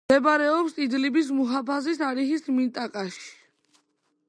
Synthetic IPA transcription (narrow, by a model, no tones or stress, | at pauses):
ɛbɾɛɔpsid̪libis̬muɦapʰazisaɾiχismint̪ʼakʼaʃi̥